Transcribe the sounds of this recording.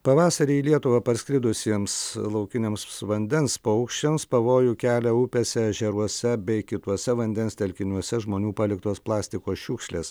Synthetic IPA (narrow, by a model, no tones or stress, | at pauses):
pɐʋɑːsɐɾʲiːlʲiɛt̪ʊʋɐpɐɾsʲkʲɾʲɪd̪ʊsʲiɛmslˠɐʊkʲɪnʲemsʋɐnʲd̪ʲɛnspɐʊkʃʲt͡ʃʲɛmspɐʋoːjʊkʲæːlʲɛʊpʲeːsʲɛɐʒʲɛɾuɔsʲɛbʲɛɪkʲɪt̪uɔsʲɛʋɐnʲd̪ʲɛnsʲt̪ʲɛlʲkʲɪnʲuɔsʲɛʒmoːnʲuːpɑːlʲɪkt̪oːsplˠɑːsʲt̪ʲɪkoːsʃʲuːkʃʲlʲeːs